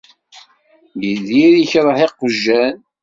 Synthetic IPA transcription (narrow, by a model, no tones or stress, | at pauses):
jəðiɾiçɾˤəħeqːəʒːæn